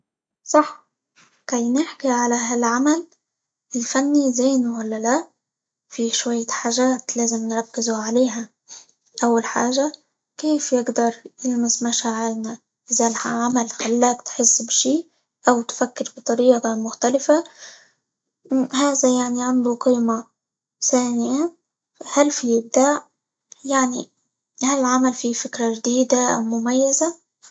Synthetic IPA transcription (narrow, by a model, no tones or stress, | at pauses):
sˤɑħ | kajnɪħkiʕalaɦalʕamal | ʔɪlfanːizeːnuwalːala | fiʃwajːaħaːʒaːt̪laːzɪmnɾˤɑkːɪzuʕaleːɦa | ʔawːalħa̰ːʒa | keːfjɪɡd̪ɑɾˤjɪlmɪsmaʃaːʕɪɾna | ʔɪzalaʕamalxalːaːkt̪ħɪsːbʃiː | ʔawt̪fakːɪɾbɨt̪ˤɑɾiːʔɑmʊxt̪alɪfa | haːðajaʕniʕand̪uqiːma | θaːnɪja | hælfijɪb̚d̪aːʕ | jaʕnḭ | halɪlʕamalfifɪkɾaʒd̪iːd̪aʔa̰wmʊmajːɪza